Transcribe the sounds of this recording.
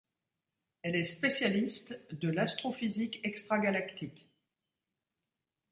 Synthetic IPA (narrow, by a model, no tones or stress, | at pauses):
ɛlɛspesjalist̪d̪əlast̪χofizikɛkst̪χaɡalakt̪ikʲ